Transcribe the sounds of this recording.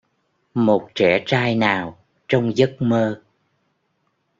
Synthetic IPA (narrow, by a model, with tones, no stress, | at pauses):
mo˨˩t̚t͡ɕɛ˧˩t͡ɕaː˧jnaː˨˩w | t͡ɕɔ˧wŋ͡mzə˦˥t̚məː˧